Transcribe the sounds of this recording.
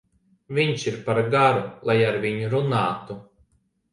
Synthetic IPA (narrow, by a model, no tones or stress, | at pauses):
vʲiɲʲʃiɾpaɾɡaɾulˠajaɾvʲiɲuɾunaːt̪u